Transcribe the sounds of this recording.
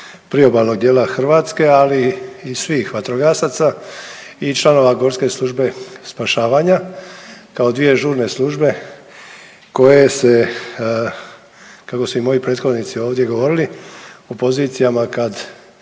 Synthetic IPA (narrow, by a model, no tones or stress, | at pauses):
pɾio̞balno̞ɡ̚d̪jeːlaxrʋaːt̪ske̞aliːsʋiːxʋat̪ɾoɡasat̪sa | it͡ʃlˠano̞ʋaɡo̞ɾske̞slˠuʒbe̞spaʃaːʋaɲa | kao̞d̪ʋije̞ʒuːɾne̞slˠuʒbe̞ | ko̞jese̞ | kako̞suimo̞jipɾeːt̪xo̞d̪nit̪sio̞ːʋd̪je̞ɡo̞ʋo̞ɾiliupo̞ziːt̪sijamakad̪